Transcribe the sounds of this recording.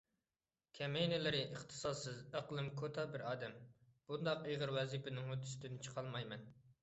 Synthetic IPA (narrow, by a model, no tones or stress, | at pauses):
kʲʰɛmejnɪlɪɾɪʔəχt̪ʰɨ̥sɑd̪sɨzæqlˠɨmkʰot̪ʰɑbɪɾɑːd̪ɛmb̥und̪ɑqejʁəɾwɛzipʰɪnɪŋhod̪ʰy̥sɪ̥t̪ʰɪnɪt͡ʃʰə̥qʰɑlˠmɑjmɛn